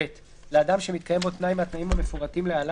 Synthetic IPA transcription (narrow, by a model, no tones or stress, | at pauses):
et̪ | leadamʃe̞mit̪̚kʰaje̞mbo̞t̪najmat̪naimame̞fuʁatimleala